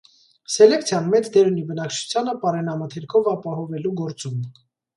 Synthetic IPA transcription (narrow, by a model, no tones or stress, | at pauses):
sɛlɛkt͡sʰjɑnmɛt͡sʰd̪ɛɾunibənɑkt͡ʃʰu̥t͡sʰjɑnəpɑɾɛnɑmət̪ʰɛɾkʰɔvɑpɑɦɔvɛluɡɔɾt͡sum